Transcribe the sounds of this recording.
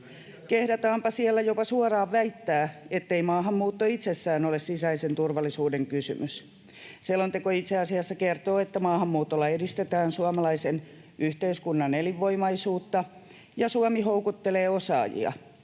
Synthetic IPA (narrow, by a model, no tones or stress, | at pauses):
kehdæt̪ɑːmpɑsielːæjopɑsuɑrɑːʋʋæit̪ːæːet̪ːeimɑːɦɑmːuːt̪ːoit̪sesːæːnolessisɑisent̪urʋɑlːˑisuːdeŋkysy̰mys | selːont̪ekoit̪seɑsiɑsːɑkert̪oːet̪ːæmɑːhɑmːuːt̪ːolːɑedist̪et̪æːnsuɑmɑlɑisen | ʔyht̪eiskunːɑneliʋːoimɑisuːt̪ːɑ | jɑsuɑmiɦoukut̪ːeleːosɑ̰ːjḭɑ̰